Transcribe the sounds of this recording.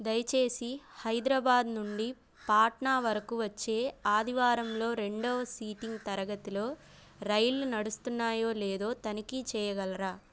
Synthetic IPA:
d̪ɐjt͡ʃe̞ːsihɐjd̪ɾɐbaːd̪nuɳɖi | paːʈɳaːʋɐɾɐkuʋɐt͡ʃːe̞ːaːd̪ʱiʋaːɾɐmlo̞ːɾe̞ɳɖoːɐsiːʈiŋɡt̪ɐɾɐɡɐt̪ilo̞ː | ɾɐjlunɐɽust̪unːaːjo̞ːleːd̪o̞ːt̪ɐnikit͡ʃɛːjɐɡɐlɐɾaː

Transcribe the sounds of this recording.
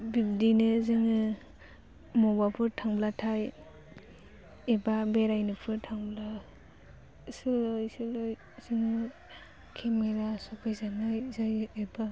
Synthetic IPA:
bib̚dinɯzɯŋɯ | mɔbapʰɯɾtʰaŋblatʰaj | ebabeɾajnɯpʰɯɾtʰaŋbla | sɯlɔjsɯlɔj | z̥ɯŋɯ | kʰemeɾasɔkʰajzanɯjzajeba

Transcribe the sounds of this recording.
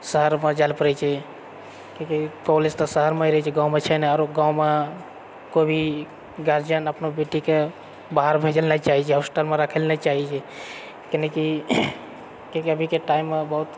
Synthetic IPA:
səɦəɾmed͡ʒalpəɾɛt͡ʃʰɛ | kekipɔlest̪ɔsəɦəɾmeiɾəɦɛt͡ʃʰɛɡãwmet͡ʃʰɛnɛaɾoɡãwme | kobʱi | ɡaɾd͡ʒənəpnobeʈike | baɦəɾbʱed͡ʒəlnat͡ʃaɦit͡ʃʰɛɦɔsʈəlmeɾakʰəlnat͡ʃaɦit͡ʃʰɛ | keneki | kẽkiəbʱikeʈaimːebəɦut̪

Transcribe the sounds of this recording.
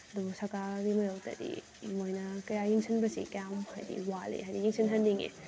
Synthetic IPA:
ɐdubusɐkaldimɐjowtɐ̰dḭ | mojnɐkɐjajiŋsʰinbɐsḭkjamhajdḭwalḛɦajdijiŋsʰinɦɐndiŋḛ

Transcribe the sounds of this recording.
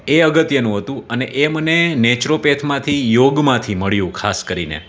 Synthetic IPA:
eəɡət̪jənũɦət̪ũəneʔemənenet͡ʃɾopet̪ʰmãt̪ʰijoɡmãt̪ʰiməɭjũkʰaskəɾinḛ

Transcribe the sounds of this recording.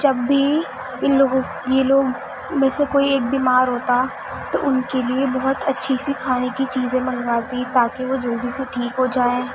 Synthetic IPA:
d͡ʒɐbːʱi | ɪnloːɡõ | jeloːɡ | mẽsekoːieːk̚biːmaːɾɦoːt̪aɛ | t̪o̰ʔʊnkeliebɐɦʊt̪ɐtːʃʰisikʰaːnekit͡ʃiːzẽmɐŋɡaːt̪it̪aːkeʋod͡ʒoːd̪ʱiseʈʰiːkɦod͡ʒaːẽː

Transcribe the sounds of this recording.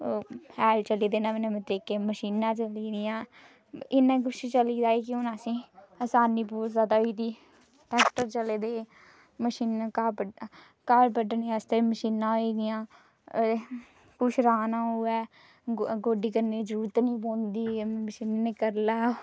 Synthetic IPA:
hɛːlt͡ʃəliːd̪eːnãːmenẽmẽt̪əɾiːkeːməʃiːnãːt͡ʃəliːd̪ɪjãː | ɪnɛ̃ːk̬ʊt͡ʃʰt͡ʃəliːd̪aːeːkɪʊnasĩː | əsaːniːpuːzaːd̪aːoiːt̪iː | ʈɛːkʈəɾt͡ʃəleːd̪eː | məʃiːnː | kaːɾpəɖnĩst̪eːməʃiːnãːɦoiːd̪ɪjãː | kʊʃʰɾaːnãːuːɛː | ɡoːɖiːkəɾniːzəɾuːɾət̪nĩːpõːnd̪iːməʃiːnːeːkəɾlaː

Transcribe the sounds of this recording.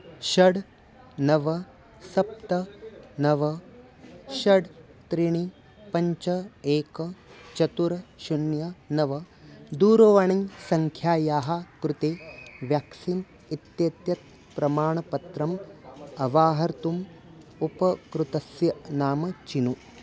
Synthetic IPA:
ʃɐɽ | nɐʋɐ | sɐp̚t̪ɐnɐʋɐ | ʃɐɖt̪ɾiɳi | pɐɲt͡ʃɐeːkɐt͡ʃɐt̪uɾɐʃunjɐnɐʋɐ | d̪uːɾoːʋɐɳijsɐŋkʰjaːjaːɦakɾut̪eːʋjaːksin | it̪jeːt̪jɐt̪̚ | pɾɐmaːɳɐpɐt̪ɾɐmɐʋaːɦɐɾt̪um | upɐkɾut̪ɐsjɐnaːmɐt͡ʃinu

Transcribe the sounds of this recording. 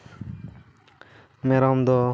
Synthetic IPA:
meɾɔmd̪ɔ

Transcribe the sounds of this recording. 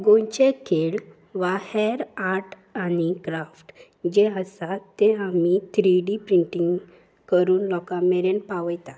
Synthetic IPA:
ɡõjt͡ɕekʰel | ʋaheɾaɾʈ | anikɾafʈ | d͡ʑeəsat̪ːeamit̪ʰɾiɖipɾiɳʈiŋɡ | kəɾuːnlɔkameɾenpaʋəjt̪at̪

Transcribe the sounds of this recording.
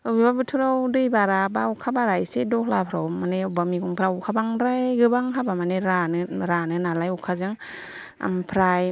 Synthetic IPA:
ɯbibabɯtʰɯɾawdɯjbaɾabaukʰabaɾajsedɔkʰlapʰɾawmaneubamiɡuŋpʰɾaukʰabaŋɾajɡɯbaŋɦabamaneɾanɯɾanɯnalajukʰazɯŋ | a̰mpʰɾaj

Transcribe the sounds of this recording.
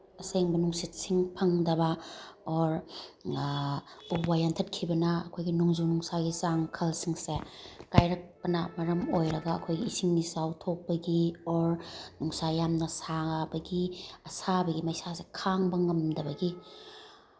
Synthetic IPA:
ɐseŋbɐnuŋsit̚siŋpʰɐŋdɐbɐɔɾ | ubajantʰɐt̚kʰibɐnɐːkʰojɡinuŋzunuŋsaɡisaŋkʰɐlsiŋsekajɾɐk̚pɐnɐmɐɾɐmojɾɐɡɐɐ̰kʰojɡiisiŋnisawtʰok̚pɐɡiɔɾnuŋsajamnɐsabɐɡiɐsabɐɡimɐjsasekʰaŋbɐŋɐmdɐbɐɡi

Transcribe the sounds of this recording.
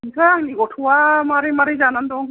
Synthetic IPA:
nsʰaaŋniɡɔtʰuwamaɾemaɾezanandɔŋ

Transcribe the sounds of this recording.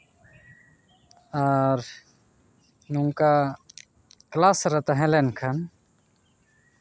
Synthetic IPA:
aɾ | nuŋka | klaːsɾɐt̪aɦẽlenkʰɐn

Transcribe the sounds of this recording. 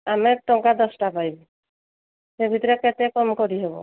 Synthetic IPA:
amɛt̪ɔŋkad̪ɔsʈapajbɔ | sebʱit̪ɔɾekɛt̪ɛkɔmkɔɾiɦebɔ̰

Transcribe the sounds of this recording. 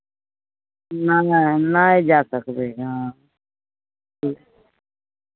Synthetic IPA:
naːnanaːed͡ʒaːsəkd̪eːɦãː | l

